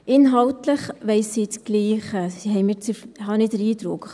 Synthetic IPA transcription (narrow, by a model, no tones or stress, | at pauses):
ʔɪnɦɑltləχʋɛɪsːiːt͡sɡ̥liːχəsiɦɛɪmit͡sihɑnidəɾiːd̥ɾʊkχ